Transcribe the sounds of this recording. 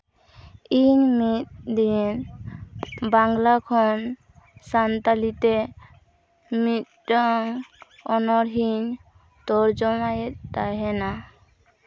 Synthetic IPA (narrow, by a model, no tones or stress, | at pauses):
iɲmit̪̚d̪in | baŋlakʰɔn | sant̪alit̪ɛ | mit̪̚ɖaŋ | ɔnɔɾɦiɲ | t̪ɔɾd͡ʒɔmajɛt̪̚daɦɛna